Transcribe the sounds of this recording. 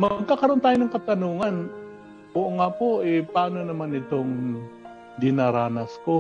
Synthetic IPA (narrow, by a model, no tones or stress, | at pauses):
mɐɡ̚kakɐɾo̞nt̪aːjonɐŋkɐt̪ɐnuːŋɐn | ʔoʔoŋapoʔɛpaːnonɐmanɪt̪oŋ | d̪ɪnaɾaːnɐsko